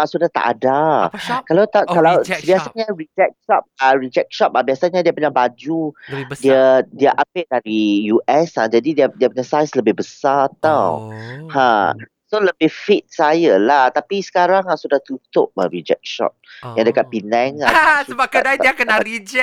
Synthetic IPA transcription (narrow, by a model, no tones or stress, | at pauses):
aʔsudaht̪a̰ʔa̰dakalawt̪akalawəbiasaɲaɹid͡ʒɛk̚ʃɔp̚aɾid͡ʒɛk̚ʃɔp̚abiasaɲadiəpəɲaŋbad͡ʒudiadiaʔapeʔdaɾijuʔɛslad͡ʒadidiədiəpəɲasajsləbɪhbəsat̪awhã | soləbɪfit̪̚sajalaht̪apisə̥kaɾaŋaʔsudaht̪ut̪ʊ̰ʔ̚a̰ɹid͡ʒɛ̰k̚ʃɔ̰p̚jãŋdəkat̪̚pinɛŋa̰əbakdaiiakənaɾid͡ʒɛ